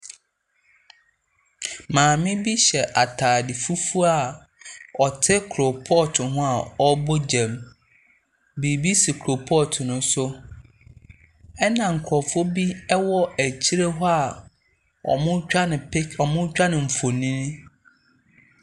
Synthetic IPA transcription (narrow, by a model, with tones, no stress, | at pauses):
mãː˨mɪ̃˦bi˦ɕɛ˨ʔa˨tʰaː˨dɪ˨fu˦fu˦a˨ | ɔ˨tʰɪ˦kʰɾo˨pʰɔ˦tʰʊ̃˨ɦʊ̃˦a˨ɔ˦bo˦d͡ʑɛ̃˨m | bi˨bi˦si˨kʰu˨ɾo˨pʰɔ˦˨tʰʊ˨nʊ̃˦sʊ˦ | ɛ˦nã˨ŋ̩˨kʰɔ˨fɔ˦bi˦ɛ˦wɔ˦æ˨t͡ɕʰi˦ɾe˦ɦɔ˦a˨ | ɔ̰˨mʊ̃˦a˦nɪ̃˨pʰe˦ɔ˨mʊ̃˦t͡ɕᶣa˦nɪ̃˨ɱ̩˨fo˨nĩ˦nʊ̃˦